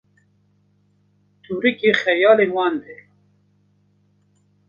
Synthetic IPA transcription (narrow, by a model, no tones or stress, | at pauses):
t̪ʰuɾikexɛjɑːlewɑːnd̪ɛ